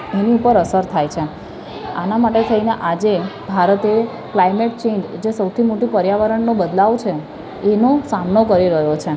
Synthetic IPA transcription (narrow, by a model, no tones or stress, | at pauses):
eniupəɾəsəɾt̪ʰajt͡ʃʰe | a̰namaʈet̪ʰəineʔad͡ʒebʱaɾət̪e | klajmeʈ̚t͡ʃend͡ʒd͡ʒesəwt̪ʰimoʈũpəɾjaʋəɾəɳnobəd̪laʋt͡ʃʰeː | nosamnokəɾiɾəɦjot͡ʃʰe